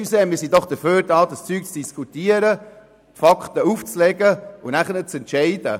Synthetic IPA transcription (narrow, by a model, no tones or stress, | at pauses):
sɛːmɪːɾsidɔχd̥əɾføːɾdɑːdəst͡syːk̚t͡sd̥iskʰutiəɾə | t̪fɑkχt̪əuft͡slɛɡəʊnæχənət̚t͡sɛntʃɛɪdə